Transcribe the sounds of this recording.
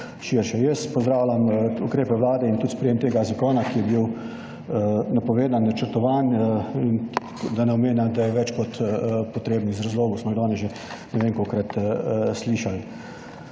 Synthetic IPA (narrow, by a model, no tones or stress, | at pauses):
ʃiɾʃɛjɛspɔzd̪ɾaːwlʲamukɾeːpɛʋlaːd̪ɛint̪ut̪spɾɛjeːmt̪eːɡazakɔːnakijɛbiw | ənapɔʋeːd̪annat͡ʃəɾt̪ɔʋanin | d̪anɛɔmeːnjamd̪ajɛʋɛt͡ʃkɔt̪pɔt̪ɾeːbnizɾazloːɡɔsmɔiɣd̪ɔːnɛʒe | nɛʋeːŋkokɾat̪sliːʃal